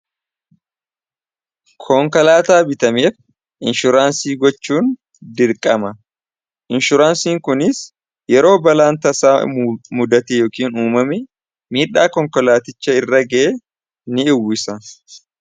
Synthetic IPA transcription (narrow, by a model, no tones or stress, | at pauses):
kʰɔŋkɐlaːt̪aːbɪt̪ɐmeːf | ʔɪnʃʊɾaːnsiːɡɔt͡ʃːuːn | d̪ɪɾkʼɐmɐ | ʔɪnʃʊɾaːnsiːŋkʊnɪs | jɛɾo̞ːbɐlaːnt̪ɐsaːmʊd̪ɐt̪ejoːkiːnuːmɐmɛ | miːᶑaːkɔŋkɔlaːt̪ɪt͡ʃːɐɪrːɐɡɐʔeː | nɪɪwɪsɐ